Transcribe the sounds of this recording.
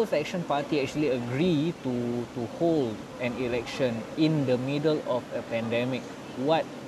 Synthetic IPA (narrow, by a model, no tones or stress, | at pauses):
əsɛk̚ʃə̃npatiɛk̚t͡ʃuəliəɡɹitutuhold | ɛ̃nilɛk̚ʃə̃nĩndəmidəlɔfəpɛ̃ndɛmik̚ | wɔt̚